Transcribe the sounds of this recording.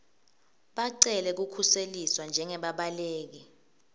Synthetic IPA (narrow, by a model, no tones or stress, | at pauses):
ɓaǀɛlɛk̬ukʰuseliswand͡ʒʱɛŋɛɓaɓaleːk̬i